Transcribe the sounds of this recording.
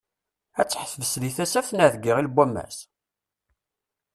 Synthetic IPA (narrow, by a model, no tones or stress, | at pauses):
æt͡sːħəθvəsliθæsæfnæðɡiʁilbʷæmːæ̰s